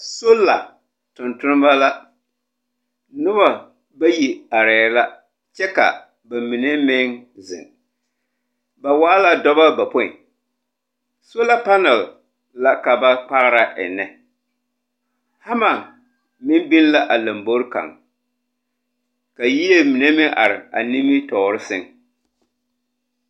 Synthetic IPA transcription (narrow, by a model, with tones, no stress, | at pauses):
so˦la˨ | tʊ˨ntʊ˦n˦ba˦la˦ | nʊ˦βa˨ | ba˦ji˨a˨ɾɛː˨˦la˦ | t͡ʃɛ˦ka̰˨ | ba˨mi˨ne˦mɪ˦ŋzɪ̰˨ŋ | ba˨waː˦la˦dɔ˦ba˦ba˨po˦˨ḭ˨ | so˦la˦pa˦nɛ˨l | la˦ka˨ba˦k͡pa˦ɣɾa˦ʔɪ̰˨nɛ˨ | ha˦ma˨ | mɪ˦nbi˦nla˦ʔa˨la˨mbo˦ɾka̰˨ŋ | ka˨ji˦e˦mi˨ne˦mɪ˦ŋʔa̰˨ɾɪ˨a̰˨ni˦mɪ˦tɔː˨ɾɪ˦sɪ˦ŋ